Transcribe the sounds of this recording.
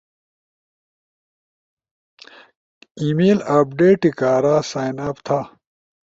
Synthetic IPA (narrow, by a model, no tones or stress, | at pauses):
iːmeːlaːpɖeːʈːikaːɾaːsaːjnaːpt̪ʰa